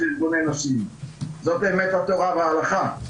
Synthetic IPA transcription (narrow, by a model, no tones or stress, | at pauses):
ilɡonenosimzot̪̚beːmet̪hat̪oʁaveaːlaχa